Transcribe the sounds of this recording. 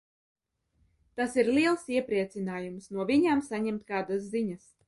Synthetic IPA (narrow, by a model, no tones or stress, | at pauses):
t̪asiɾlʲiɛlˠsiɛpɾiɛt̪sʲinaːjumsnuɔvʲiɲamsaɲɛmt̪kaːd̪as̬ziɲas